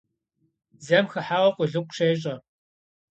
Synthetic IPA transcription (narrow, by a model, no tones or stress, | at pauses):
zɐmxɐħaːʁɔqʷʼʊɮɨkʷʼʃeːɕ̬ʼɐ